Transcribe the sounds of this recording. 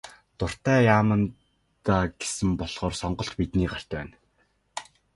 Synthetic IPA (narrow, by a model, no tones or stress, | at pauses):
t̪ʊr̥t̪æːjaːmə̆n | t̪aːɡe̥sɘ̆mpɔɮ̥ʁ̥ɔːrsɔɴɢɞ̆ɬtpit̪niːɢar̥t͡ɕ̪pæ̰ːn